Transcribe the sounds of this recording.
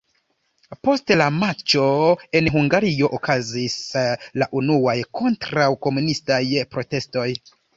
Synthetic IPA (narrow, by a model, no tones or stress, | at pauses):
po̞stelamat͡ʃo̞e̞nɦuŋɡaɾio̞ʔokazislaʔunuajkʰo̞ntɾawko̞munistajpɾo̞te̞sto̞j